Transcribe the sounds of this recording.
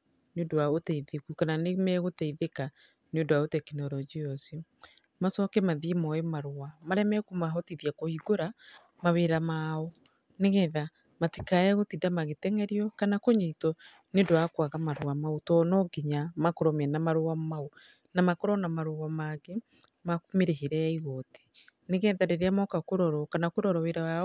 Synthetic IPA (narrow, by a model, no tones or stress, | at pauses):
neondoaotɛiðekukananemɛɣotɛiðeka | neondoaotɛkinɔɾɔd͡ʒiɔsi | masɔkɛmaðiemɔɛmaɾowamaɾɛmɛkumaɦɔtiðiakohiɡoɾa | maweɾamaɔ | neɣɛða | matikaɛɣotidamaɣetɛŋɛɾiɔkanakoɲitɔ | nedoakwaɣamaɾowamaotɔnɔɡiɲamakoɾɔmɛnamaɾowamao | namakoɾɔnamaɾowamaɣe | makumeɾeheɾɛaiɣɔti̥ | neɣɛðadeɾeamɔkakoɾɔɾɔkanakoɾɔɾɔweɾaa